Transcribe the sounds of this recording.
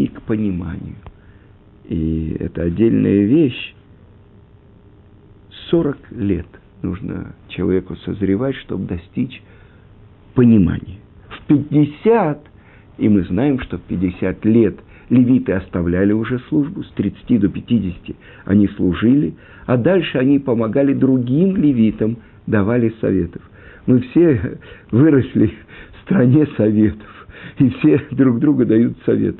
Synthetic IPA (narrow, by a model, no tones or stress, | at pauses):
ikpənʲɪma̰nʲɪ̰jʊ | ḭɛ̰t̪əɐdʲːelʲnə̰jəvʲeɕ | so̞ɾəklʲe̞̰t̪ | nṵʐnə̰t͡ɕɪlˠɐ̰vʲekʊsəzɾʲɪvatʲʂt̪o̞̰bd̪ɐsʲtʲit͡ɕ | pənʲɪma̰nʲɪjəfpʲɪd̚ʲɪsʲat̪ | imɨznajɪmʂt̪o̞fpʲɪdʲɪsʲat̪lʲet̪ | lʲɪvʲit̪ɨɐst̪ɐvlʲælʲɪʊʐɛslˠuʐbʊst̪ɾʲɪt̪sɨ̥tʲid̪o̞pʲɪtʲidʲɪsʲɪ̥tʲɪ | ɐ̰nʲislˠʊʐɨlʲɪ | ad̪alʲʂɨɐnʲipəmɐɡalʲɪd̪ɾʊɡʲimlʲɪvʲit̪əm | d̪ɐvalʲɪsɐ̰vʲḛt̪ə̥f | mɨfsʲe̞vɨɾəsʲlʲɪfst̪ɾɐnʲesɐvʲet̪ə̥fifsʲed̪ɾuɡd̪ɾuɡəd̪ɐjut̪sɐvʲḛt̪